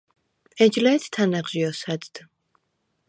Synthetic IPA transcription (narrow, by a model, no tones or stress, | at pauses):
ɛd͡ʒlɛːt̪ʰt̪ʰːanaʁʒiɔsad̪d̪̥